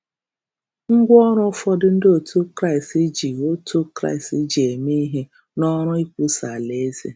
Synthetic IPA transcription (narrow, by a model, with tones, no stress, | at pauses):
ŋ̩˦ɡʷɔ˦ɾʊ˦fɔ˦dɪ˦n̩˦do˦˨tʰu˦kɾa˦˨ɪ˨sti˦d͡ʒi˨o˦tu˦kɾa̰˦˨ɪ˨sti˦d͡ʒi˨e˨me˦ɦe˦ | nɔ˦ɾʊ˦i˦kʷu˦sa˨le˨˦ze˦